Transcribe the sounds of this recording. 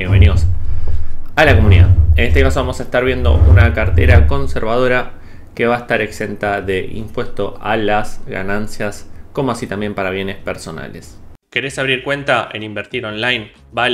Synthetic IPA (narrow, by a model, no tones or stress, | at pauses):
eβenimos | alako̞muniða̰ene̞st̪e̞kaso̞βamo̞saest̪aɾβ̞je̞nd̪o̞̰unakaɾt̪e̞̰ɾako̞nseɾβað̞o̞ɾa | ke̞βaest̪aɾe̞kse̞nt̪aðe̞ʔḭmpwe̞st̪o̞alazɣa̰nansjasko̞moasit̪ambje̞mpaɾaβ̞jene̞speɾso̞na̰le̞ske̞ɾesaβɾiɾkwe̞nt̪aʔe̞̰nimbeɾt̪iɾonlajn | ba